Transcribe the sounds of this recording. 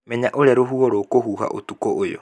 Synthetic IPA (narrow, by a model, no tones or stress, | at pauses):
mɛɲaʔoɾeaɾoɦuɔɾoːkoɦuːɦa̰ʔo̰tukɔʔojɔ̰